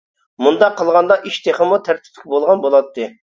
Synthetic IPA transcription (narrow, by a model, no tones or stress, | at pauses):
mund̪ɑqʰːəlˠʁɑnd̪ɑʔiʃt̪ʰeχəmut̪ʰæɾt̪ʰɪ̥p̚ʲkʲbolˠʁɑnbolˠɑt̪ʰːɨ